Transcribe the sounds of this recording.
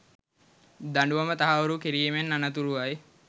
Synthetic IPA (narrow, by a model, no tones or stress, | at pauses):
d̪aɳɖuʋamət̪aɦaʋuɾukiɾiːmenːanat̪̬uɾuʋaj